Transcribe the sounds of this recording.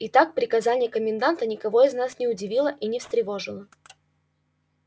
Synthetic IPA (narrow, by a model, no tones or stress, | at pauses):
ɪt̪ak̚pɾʲɪkɐzanʲɪjəkəmʲɪnd̪ant̪ənʲɪkɐvo̞ɪznasnʲɪʊdʲɪvʲilˠəʔinʲɪfst̪ɾʲɪvo̞ʐɨlˠə